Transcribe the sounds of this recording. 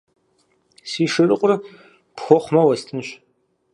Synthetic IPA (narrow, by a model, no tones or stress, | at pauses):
siʂɨrɨqʷʼʊr | pxʷoχʷmɐwɐstʰɨnʃ